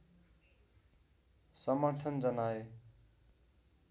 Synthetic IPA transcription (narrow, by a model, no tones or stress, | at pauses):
sʌmʌɾt̪ʰʌnd͡zʌnae